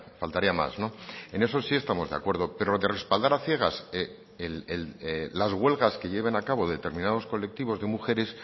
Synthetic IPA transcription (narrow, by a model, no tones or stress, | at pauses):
falt̪aɾiama̰sno̞e̞ne̞s̬o̞sie̞st̪amo̞zðe̞a̰kwe̞ɾðo̞pe̞ɾoðe̞re̞spald̪aɾaθje̞ɣ̞ase | elelːazɣwe̞lɣaske̞ʎe̞β̞e̞nakaβ̞o̞ðe̞t̪e̞ɾmĩnað̞o̞sko̞le̞k̚t̪iβo̞zðe̞muxe̞ɾe̞s